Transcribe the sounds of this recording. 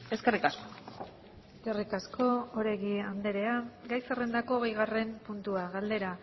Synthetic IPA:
e̞ske̞rikasko | eske̞rikasko̞oɾeɣiand̪e̞ɾe̞aɡajsere̞nd̪ako̞ːɣejɣare̞mpunt̪uaɣald̪e̞ɾa

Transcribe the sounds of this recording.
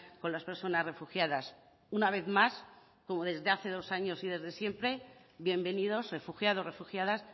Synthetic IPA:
ko̞nlaspe̞ɾso̞nazre̞fuxjaðas | unaβ̞e̞θmas | ko̞mo̞ðe̞zðe̞aθe̞ðo̞saɲo̞siðe̞zðe̞sje̞mpɾe̞βje̞mbe̞niðo̞zre̞fuxjaðosre̞fuxjaðas

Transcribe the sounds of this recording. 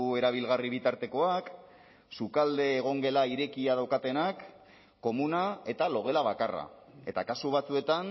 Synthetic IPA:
e̞ɾaβ̞ilɣariβ̞it̪aɾt̪e̞ko̞ak | sukald̪e̞ːɣ̞o̞ŋɡe̞laiɾe̞kiað̞awkat̪e̞nakː | o̞munae̞t̪alo̞ɣ̞e̞laβ̞akara̰e̞t̪akasuβat͡sue̞t̪an

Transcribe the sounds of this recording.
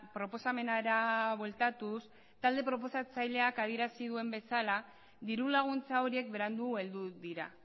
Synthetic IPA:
pɾo̞po̞same̞naɾaβwe̞lt̪at̪us | t̪ald̪e̞pɾo̞p̬o̞sat͡sajle̞akaðie̞ɾasiðue̞mbe̞sala | ðiɾulaɣ̞unt͡sao̞ɾie̞kbe̞ɾand̪ue̞ld̪uðiɾa̰

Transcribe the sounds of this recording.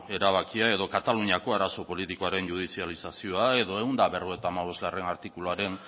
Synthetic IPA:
e̞ɾaβ̞akiae̞ðo̞kat̪aluɲiako̞aɾaso̞po̞lit̪ikoaɾe̞nʝuð̞isialisasio̞ae̞ðo̞eund̪aβeɾɣoet̪amaβ̞o̞zɣare̞naɾt̪ikuluaɾe̞n

